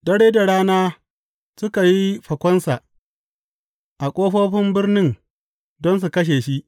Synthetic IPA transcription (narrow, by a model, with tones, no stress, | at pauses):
dɐ˦ɽeː˦da˨ɽaː˦naː˦ | sʊ˦ka˨ji˦ɸɐ˨kʷɔ˦nsa˨ʔ | ʔa˨kʷʼoː˦ɸoː˦ɸɪ˦mbɪ˦rnɪ˦ŋ | dɔ˦ns̬u˨kɐ˦ʃ̬eː˨ʃi˦ʔ